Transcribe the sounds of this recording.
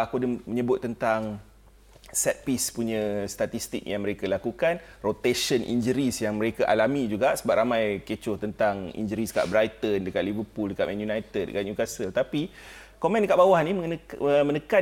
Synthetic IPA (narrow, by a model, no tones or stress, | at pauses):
akudəməɲəbʊt̪ːənt̪aŋ | sɛt̪̚pispuɲə̃st̪at̪ist̪ik̚jaŋməɾekalakukan | rot̪eʃənʔḭnd͡ʒəɾisjaŋmə̃ɾekaʔalamĩd͡ʒuɡaʔsəbaʔ̚ɾamãjket͡ʃʊt̪ənt̪aŋḭnd͡ʒəɾisəka̰ʔbɾajt̪əndəkat̪̚livəpuldəkat̪mɛnjunajt̪ɛddə̰kat̪̚ɲukasəlt̪api | komɛ̃ndəkaʔbawahniməŋmə̃nəka